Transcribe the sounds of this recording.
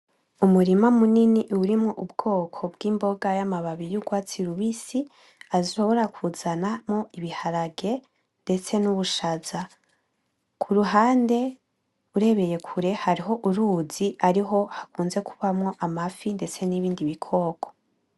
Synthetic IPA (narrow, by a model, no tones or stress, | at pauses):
umuɾimamuniniʔuuɾimŋoʔubɡ̥o̞ːkʰo̞bɡiːmbo̞ɡajamaβaβijuɡwaːt͡siɾuβisi | aziʃo̞βo̞ɾakʰuz̥anamo̞iβihaɾaɡe̞ | nde̞t͡se̞nuβuʃaz̥a | kʰuɾuɦaːnde̞ | uɾe̞βe̞je̞kʰuɾe̞haɾiɦo̞ʔuɾuz̥iaɾiɦo̞hakuːnze̞kʰu̥βamŋo̞ʔamafinde̞t͡se̞niβiːndiβikʰo̞ːkʰo̞̥